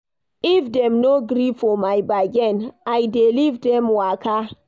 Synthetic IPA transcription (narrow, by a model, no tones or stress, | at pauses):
ifdɛ̃mnoɡɾifɔmajbaɡɛ̃najdelivdɛ̃mwakʰa